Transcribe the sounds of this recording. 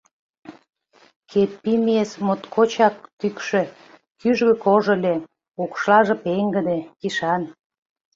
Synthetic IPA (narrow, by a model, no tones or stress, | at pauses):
kʰepːimesmot̪kʰot͡ɕɑk̚t̪ykʃø̆ | kyʒɣə̆koʒə̆lʲe | okʃlɑʒĕpeŋɡə̆d̪ekiʃɑn